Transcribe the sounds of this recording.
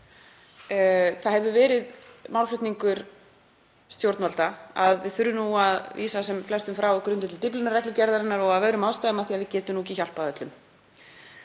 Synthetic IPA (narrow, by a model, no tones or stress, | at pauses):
θaðhɛvʏvɛːɾɪðmawlflʏht̪niŋkʏɾ̥ | st̪jowɾt̪nvalt̪aaðvɪθʏɾːʏnuaðvḭːsasɛmflɛst̪ʏmfɾawɔkɾʏnt̪ɪt̪ɪlt̪ɪplɪnaɾrɛklʏcɛɾðaɾɪnːaɾɔɣaðvœɥɾʏmawst̪ajðamaθiaðvɪcɛːt̪ʏmnuːciçal̥paðœt̪lʏm